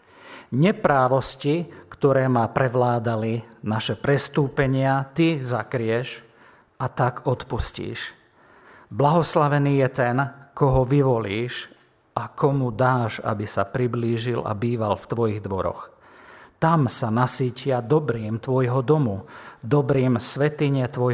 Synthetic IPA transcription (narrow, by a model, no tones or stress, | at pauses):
ɲɛpɾaːʋɔscikt̪ɔɾɛːmapɾɛʋlaːd̪alinaʃɛpɾɛst̪uːpɛɲɪat̪izakɾɪɛʒ | ʔat̪akɔt̪puscḭːʃ | blaɦɔslaʋɛniːjɛt̪ɛnkɔɦɔʋiʋɔliːʃ | ʔakʰɔmud̪aːʒa̰bisapɾibliːʒila̰biːʋalft̪ʋɔjiɣd̪ʋɔɾɔ̰x | t̪amsanasiːcɪad̪ɔbɾiːmt̪ʋɔjɦɔd̪ɔmud̪ɔbɾiːmsʋɛt̪iɲɛt̪ʋɔj